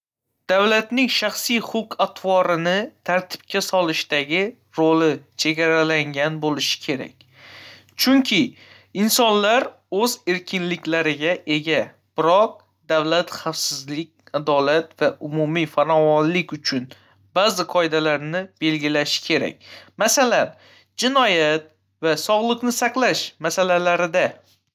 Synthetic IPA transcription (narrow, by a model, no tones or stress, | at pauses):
d̪̥awlat̪nɪŋʃaχsijχʊqʰat̪ʰvɒɾɪnɪt̪ʰaɾt̪ʰɪ̥p̚kʲasɒlɪʃt̪aɡʲɪ | ɾolɪt͡ʃʰe̞ɡʲaɾalaŋɡʲanbolɪʃɪ̥kʲʰe̞ɾa̰kʲ | t͡ʃʰʊŋkʲʰɪ | ɪnsɒnlaɾ | ɵze̞ɾkʲʰɪnlɪkʲlaɾɪɡʲaʔe̞ɡʲa | b̥ɪɾɒq̚ | d̪awlat̪χafsɪzlɪkʲad̪ɒlat̪vaʔʊmumifaɾɒvɒnlɪkʲʊt͡ʃʰʊn | bazɪqʰɒɪd̪alaɾnɪb̥e̞lɡʲɪlaʃɪ̥kʲʰe̞ɾa̰kʲmasalan | d͡ʒɪnɒjat̪̚ | vasɒʁlˠɨqnɪsaqlaʃmasalalaɾɪd̪a